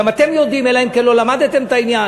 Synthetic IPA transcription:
amat̪e̞mjod̪imelahemkelo̞lamad̪t̪e̞mt̪ainja

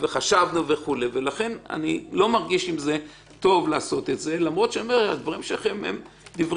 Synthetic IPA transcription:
veχaʃavnuve̞χuleve̞laχe̞na̰nilo̞maʁɡiʃimze̞ | t̪o̞vlaːso̞t̪e̞tze̞lamʁo̞t̪ʃenomeʁa̰d̪vaʁimʃelaχemhḛm | d̪ivʁ

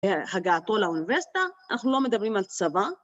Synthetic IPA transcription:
haɡaːt̪o̞launiveʁsi̥t̪aːnaχnulo̞med̪abʁimalt͡sava

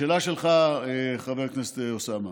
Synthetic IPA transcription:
eːlaʃelχaeχaveʁknese̥t̪eosama

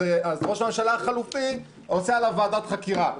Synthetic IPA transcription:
eazʁo̞ʃamemʃalaχalufi | ot͡sealavaːd̪at̪χakiʁa

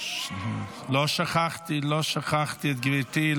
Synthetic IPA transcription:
lɔʃaχaχtilɔːʃaχaχtiɛtɡəveːtiːl

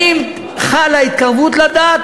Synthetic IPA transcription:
im | χalait̪̚kaʁvut̪lad̪aːt̪

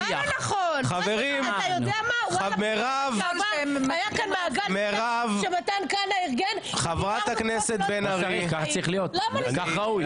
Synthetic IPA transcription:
jaaχonχaveʁimjodeamameʁavmajakanmaːɡameʁavʃemat̪ankanaiʁɡen | χavʁat̪akneset̪̚benaʁikaχt͡saʁiχlijo̞t̪loakaχʁauj

